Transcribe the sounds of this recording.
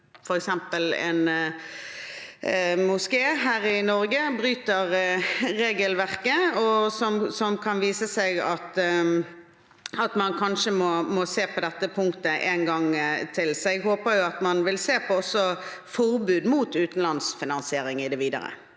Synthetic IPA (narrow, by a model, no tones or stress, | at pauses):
fɔɾɛksɛmpəlɛ̰n | mʊskeːɦæːɾɪnɔʁɡəbɾyːt̪əʁɾeːɡəlʋæʁkəɔsɔmsɔmkʰɑnʋiːsəsɛɪɡɑt̪ | ɑt̪mɑnkʰɑnʂəmɔmɔseːpʰɔd̪ɛt̪ːəpʰʊŋkt̪əʔɛnɡɑŋt̪ʰɪlsɔɛɡɦoːpəɾjʊɑt̪mɑnʋɪlseːpʰɔɔsːɔfɔʁbʉːd̪muːt̪ʉːt̪n̩lɑnsfɪnɑnsɪeːɾɪŋɪd̪ɛʋiːd̪ə̰ʁə̰